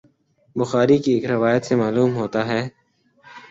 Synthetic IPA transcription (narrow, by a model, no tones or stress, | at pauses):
bʊxaːɾikieːkɾɪʋaːjət̪semaːluːmɦoːt̪aɦɛː